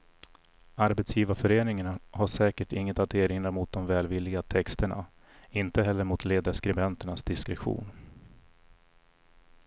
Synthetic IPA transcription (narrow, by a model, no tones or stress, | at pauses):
aɾbɛt̪sjiːvafœɾeːnɪŋaɳahaʂɛːkəʈɪŋːət̪at̪eːɾɪnɾamʊt̪̚d̪ɔmvɛːlvɪlːɪɡat̪ʰɛkst̪əɳa̰ | ɪnt̪əɦɛlːəɾmʊt̪ʰleːd̪aʂkɾɛbɛnt̪əɳasd̪ɪskɾɛɧṵːn